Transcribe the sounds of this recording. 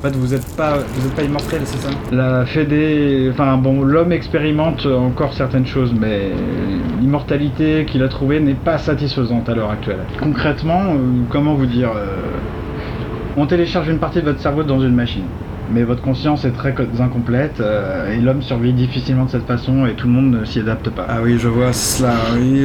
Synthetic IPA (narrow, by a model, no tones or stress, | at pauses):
ɑ̃fɛt̪vuzɛt̪pavuzɛt̪̚paimɔʁt̪ɛlsɛsalafɛd̪eɑ̃fɛ̃bɔ̃lɔmɛkspeʁimɑ̃t̪øɑ̃kɔʁsɛʁt̪ɛnʃozmɛ | limɔʁt̪alit̪ekʲilat̪χuvenɛpasat̪isfəzɑ̃t̪alœʁak̚t̪ɥɛl | kɔ̃kχɛt̪mɑ̃økɔmɑ̃vud̪iʁø | ɔ̃t̪eleʃaʁʒynpaʁt̪id̪əvɔt̪χsɛʁvod̪ɑ̃zynmaʃin | mɛvɔt̪χəkɔ̃sjɑ̃sɛt̪χɛzɛ̃kɔ̃plɛt̪øelɔmsyʁvid̪ifisilmɑ̃d̪əsɛt̪fasɔ̃et̪uləmɔ̃d̪nəsiad̪ap̚t̪əpaawiʒəvwasslawi